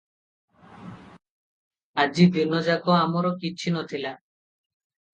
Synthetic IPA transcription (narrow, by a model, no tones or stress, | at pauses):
ad͡ʑid̪ʱinːod͡ʒakoamɔɾɔkiːt͡ɕʰinot̪ʰila